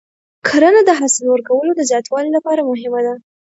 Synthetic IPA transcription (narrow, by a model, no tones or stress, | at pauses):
kʰaɾənad̪əɦasɪlwəɾkawəlod̪əzjɑt̪wɑlilapɑɾamʊɦɪmad̪a